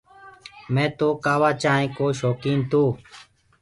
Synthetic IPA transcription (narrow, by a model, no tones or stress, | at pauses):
mɛ̃ːt̪oːkaːʋaːt͡ʃaːɦẽːkoːʃoːkiːnt̪oː